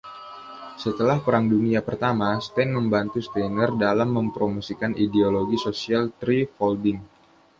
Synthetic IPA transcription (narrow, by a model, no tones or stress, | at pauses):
sət̪əlahpəɾaŋduniapərt̪amast̪ɛnməmbant̪ust̪ɛnərdalamːəmpɾomosikanʔideoloɡisosialt̪ɾifɔldɪŋ